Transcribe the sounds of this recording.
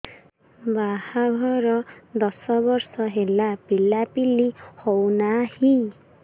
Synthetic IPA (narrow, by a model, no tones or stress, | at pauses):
bahaɡʱʌɾʌd̪ʌsʌbʌrsʌɦelapilːapilːihownahi